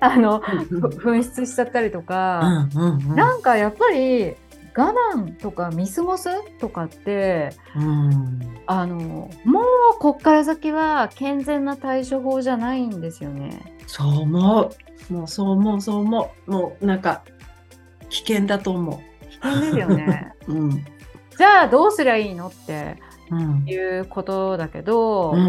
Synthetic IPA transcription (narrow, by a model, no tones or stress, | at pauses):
ano̞ɸɯ̟̃ɰ̃ɕi̥t͡sɨɕi̥t͡ɕat̪ːaɾʲit̪o̞kãɯ̃nãŋkajapːaɾʲi | ɡ̥anãnt̪o̞kamʲisɨmo̞sɨt̪o̞kat̪ːe̞ | ɯ̃ | ano̞mo̞ːko̞kːaɾazakʲiβakẽ̞nd͡zẽ̞nːat̪aiɕoɦo̞ːʑanaĩnd̪e̞sɨjo̞ne̞̰soːmoː | moːsoːmoːsoːmoːmoːnãŋka | kʲi̥kẽ̞nd̪at̪omo̰ | kʲi̥kẽ̞nd̪e̞sɨjo̞neɯ̃ɴ | d͡ʑaːd̪o̞ːsɨɾaiːno̞t̪ːẽ̞̰ | jɯ̟ːko̞t̪o̞d̪ake̞̰d̪õ̞